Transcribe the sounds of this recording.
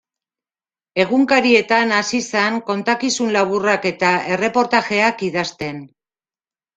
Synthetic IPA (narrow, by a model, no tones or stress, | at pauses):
e̞ɣuŋkaɾie̞t̪anasisaŋko̞nt̪akisunlaβ̞urake̞t̪ae̞re̞po̞ɾt̪aʝe̞akiðast̪e̞n